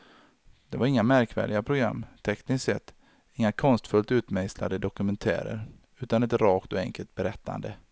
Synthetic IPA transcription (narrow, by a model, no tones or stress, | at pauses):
d̪̥ɛvaɾɪŋːamæɾkvæ̰ːɖɪɡapʰɾʊɡɾa̰mːt̪ʰɛknɪssɛt̪ː | ɪŋːakʰɔnst̪fɵlt̪ʉ̟ːt̪mɛjsla̰d̪əd̪ɔkɵmɛnt̪ʰæ̰ːɾə̰ɾ | ʉ̟ːt̪anɛt̪ɾɑːkt̪ɔɛŋkʰəlt̪̚bɛɾɛt̪ʰːa̰nd̪ə